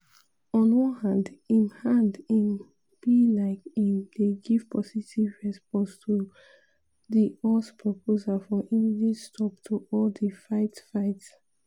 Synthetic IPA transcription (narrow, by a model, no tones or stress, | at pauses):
ɔ̃nwɔ̃nhãndĩmhãndin | b̥ilaɪkĩndeɡiv̥pʰɔsitʰivɹɛspɔ̃nstʰu | ðiɔspʰɹɔpʰozalfɔʔĩnidistʰɔptʰuʔɔldəfaɪtfaɪts